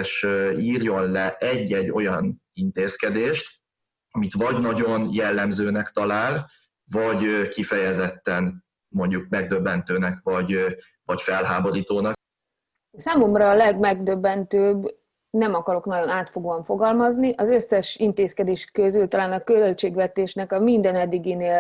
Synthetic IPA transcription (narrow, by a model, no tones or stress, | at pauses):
ʃiːrjo̞nlɛʔɛɟːɛɟːo̞jɒnint̪eːskɛd̪eːʃt̪ | ɒmit̪vɒɟnɒɟo̞njɛlːɛmzøːnɛkt̪ɒlaːl | vɒɟkifɛjɛzɛt̪ːɛn | mo̞ɲɟuk̚mɛɡ̚d̪øbːɛnt̪øːnɛkvɒɟ | vɒcfɛlɦaːbo̞ɾiːt̪oːnɒk | saːmo̞mrɒːlɛɡmɛɡd̪øbːɛnt̪øːb | nɛmɒkɒɾo̞knɒɟo̞naːt̪fo̞ɡoːɒɱfo̞ɡɒlmɒzniʔɒzøsːɛʃint̪eːskɛd̪eːʃkøzylt̪ɒlaːnɒkølt͡ʃeːɡvɛt̪eːʃnɛkɒmind̪ɛnɛd̪ːiɡineːl